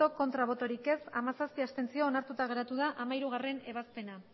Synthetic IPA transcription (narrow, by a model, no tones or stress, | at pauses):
o̞ko̞nt̪ɾaβ̞o̞t̪o̞ɾike̞samasaspiast̪e̞nt͡sioːnaɾt̪ut̪aɣ̞e̞ɾat̪uðaʔamaiɾuɣ̞are̞ne̞βaspe̞na